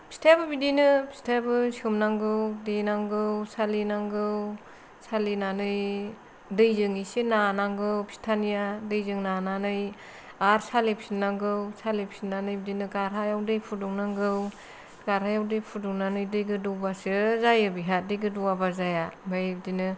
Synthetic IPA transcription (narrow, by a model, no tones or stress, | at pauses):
pʰi̥tʰabɯbidinɯbʰi̥stʰabɯsɯmnaŋɡɯwdenaŋɡɯwsalinaŋɡɯw | salinanɯj | dɯjzɯŋisenanaŋɡɯwpʰi̥stʰanijadɯjzɯŋnananɯj | aɾsalepʰsinːaŋɡɯwsalepʰsinanɯjbidinɯɡaɾɦajawdɯjpʰuduŋnaŋɡɯw | ɡ̥aɾɦajawdɯjpʰuduŋnanɯjdɯjɡɯduwbasɯzajɯbiɦadɯjɡɯduwabazajabʱajbidinɯ